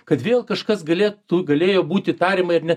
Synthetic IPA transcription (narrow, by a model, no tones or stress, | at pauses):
kɐt̪ʋʲeːlˠkɐʃkɐsɡɐlʲeːt̪uːɡɐlʲeːjoːbuːt̪ʲɪt̪ɑːɾʲiːmɐɪɾnʲɛ